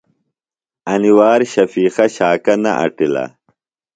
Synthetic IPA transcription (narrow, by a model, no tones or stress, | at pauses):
ɐniwaːɾɕɐfiːxɐɕaːkɐnɐ̰ʔɐ̰ʈilɐ̰